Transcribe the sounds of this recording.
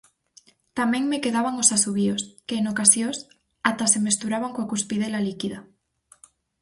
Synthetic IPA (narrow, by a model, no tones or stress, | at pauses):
t̪amẽŋmekeðaβaŋosasuβioskeːŋokasjos | at̪asemest̪uɾaβaŋkoakuspið̞elalikiða